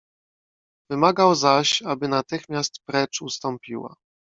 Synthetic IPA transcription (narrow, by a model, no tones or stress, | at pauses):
vɘmaɡawzaɕabɘnat̪ɘxmʲjast̪pɾɛt͡ʂust̪ɔmpʲiwa̰